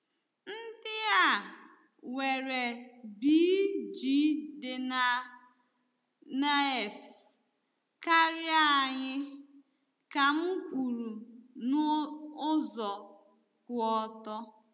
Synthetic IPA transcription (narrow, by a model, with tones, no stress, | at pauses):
n̩˦dɪ˦a˦˨ | we˨ɾe˨bi˦d͡ʒi˦dɪ˨na˨ | na˦e˨fs | ka˦ɾja˦˨ɲɪ˦ | ka˨m̩˦kʷu˨ɾu˨nʊ˦ʊ˦zɔ˨ | kʊ˨ɔ˨tɔ˦